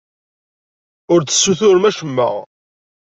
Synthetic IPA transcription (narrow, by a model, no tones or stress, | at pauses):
ʊɾə̥sːuθʊɾmæʃəmːə̰ʁ